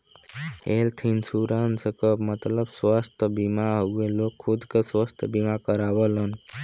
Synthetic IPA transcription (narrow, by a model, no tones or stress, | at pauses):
elt̪ʰinsuɾansəkəpmət̪ləbswast̪ʰbimaɦowelokʰːud̪kaswəst̪ʰəbimakəɾabəlʌn